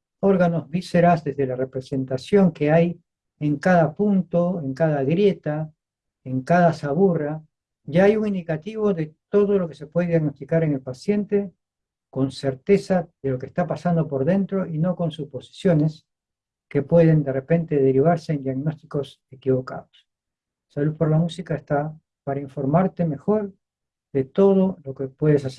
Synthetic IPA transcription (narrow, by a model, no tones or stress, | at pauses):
o̞ɾɣanozβise̞ɾazðe̞zðelare̞pɾe̞se̞nt̪asjo̞ŋke̞aj | eŋkaðapunt̪o̞eŋkaðaɣɾje̞t̪a | eŋkaðasaβura | ɟ͡ʝaajuŋind̪ikat̪iβ̞o̞ðe̞t̪o̞ð̞o̞lo̞ke̞se̞pwe̞ðeðjaɣno̞st̪ikaɾe̞ŋe̞lpasje̞nt̪e̞ | ko̞nse̞ɾt̪e̞saðe̞lo̞kest̪apasand̪o̞po̞ɾðe̞nt̪ɾo̞ʔino̞ko̞nsuspo̞si̥sjo̞ne̞s | ke̞pwe̞ð̞e̞nd̪e̞re̞pe̞nt̪e̞ðe̞ɾiβ̞aɾse̞ːnd̪jaɣno̞st̪iko̞s | e̞kiβo̞ka̰ðos | saluðpo̞ɾlamusikaest̪a | paɾaiɱfo̞ɾmaɾt̪e̞me̞xo̞ɾ | ðe̞t̪o̞ð̞o̞lo̞kepwe̞ð̞e̞s̬as